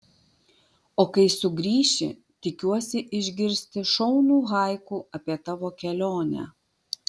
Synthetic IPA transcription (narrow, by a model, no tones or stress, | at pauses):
oːkɐɪsʊɡɾʲiːʃʲɪ̰ | t̪ʲɪkʲuɔsʲɪʔɪʒʲɡʲɪɾʲsʲt̪ʲɪʃɔʊnuːɣɐˑɪkuːʔɐpʲiɛt̪ɑʋoːkʲɛlʲoːnʲæ̰